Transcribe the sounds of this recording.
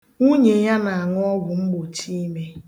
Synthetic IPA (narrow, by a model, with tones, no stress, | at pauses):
ŋu˦ɲe˨ɲa˦na˨a˨ŋʊ˦ɔ˦ɡʷʊ˨ŋ͡m̩˦ɡ͡bo˨t͡ʃi˦i˦me˦